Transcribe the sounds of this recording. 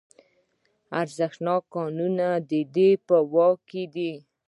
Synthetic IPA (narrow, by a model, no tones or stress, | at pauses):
aɾzəxnɑkːɑnunad̪əd̪epəwɑked̪i